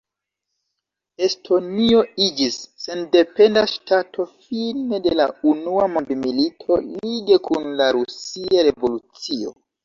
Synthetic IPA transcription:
e̞stʰo̞nio̞id͡ʒisːe̞nde̞pe̞ndaʃtatʰo̞fine̞de̞launuamondmilitʰo̞liɡe̞kʰunlaɾusiaɾe̞vo̞lut͡sio̞̰

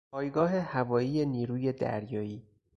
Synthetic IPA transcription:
pʰɒːjɡɒːɦe̞hævɒːjiːjeniːɾuːje̞d̪æ̰ɾjɒːiː

